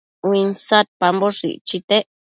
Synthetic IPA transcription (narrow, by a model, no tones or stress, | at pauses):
winsat̪̚pamboʂḭʔt͡ʃit̪eʔ